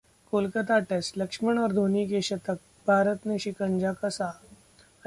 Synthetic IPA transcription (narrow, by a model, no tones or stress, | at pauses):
koːlkət̪aʈesʈləkʂməɳ̃ɔɾd̪ʱonikeɕɐt̪ʰək̚ | bʱaːɾət̪neɕikəɲd͡ʑakɐsa